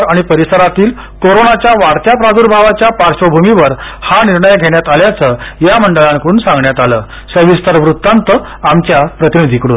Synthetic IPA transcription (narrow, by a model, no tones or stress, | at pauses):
aɽ̃ipəɾisəɾat̪iːl | koɾonat͡ɕjaʋaɾt̪japɾad̪uɾbʱaʋat͡ɕjapaɾɕəbʱumiʋəɾhaniɾɳəjɡʱeɳjat̪aljat͡səjaməɳɖəɭãŋkəɾuːnsãŋɡɳjat̪aləː | səʋist̪əɾʋɾut̪ːant̪ə | amt͡ɕjapɾət̪inid̪ʱikəɽṵːn